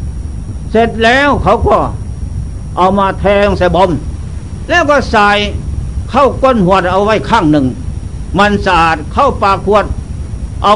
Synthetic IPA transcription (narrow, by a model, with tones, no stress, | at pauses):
se˧t̪̚lɛː˧˥˨wkʰa˨˥wkɔː˧˩ | ʔa˨wmaː˧t̪ʰɛː˧ŋsa˧˦jbɔ˧˥m | lɛː˧˩˨wkɔː˧˩saː˨˧jkʰa˧˥˩wko˧˥˨nhu˧˩ət̪̚ʔa˧wwa˧˥˩jkʰaː˧˥˩ŋnɯ˨ŋ | ma˧nsaː˨˩t̪̚kʰa˧˥˩wpaː˧kʰu˧ət̪̚ | ʔa˧